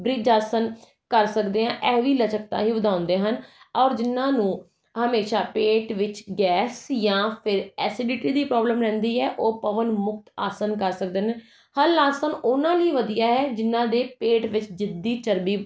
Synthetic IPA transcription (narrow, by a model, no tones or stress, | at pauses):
bɾɪd͡ʒaːsən | kəɾsəkd̪eːɦãːʔɛːʋiːlət͡ʃək̚t̪ã̰ːɦiːʋəd̪ʱãːʊ̃nd̪eːɦənɔːɾd͡ʒɪnːãːnũː | ɦəmeːʃaːpeːʈʋɪt͡ʃɡɛːsjãːpʰɪɾɛːsɪɖɪʈiːd̪iːpɾɔːbləmɾɛ̃ːnd̪iːɛːʔoːpəʋənmʊk̚t̪aːsənkəɾsəkd̪eneː | həlaːsənʊnãːliːʋəd̪ijaːɦɛːd͡ʒɪnːãːd̪eːpeːʈʋɪt͡ʃd͡ʒɪd̪iːt͡ʃəɾbiː